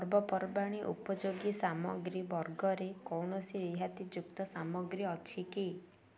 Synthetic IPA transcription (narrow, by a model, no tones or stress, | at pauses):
ɾbɔpɔɾbaɽ̃iʔṵpɔd͡ʒoɡisamɔ̰ɡɾibɔɾɡɔɾekɔwnɔsiɾiɦat̪id͡ʒukt̪ɔsamɔɡɾiɔt͡ʃʰiki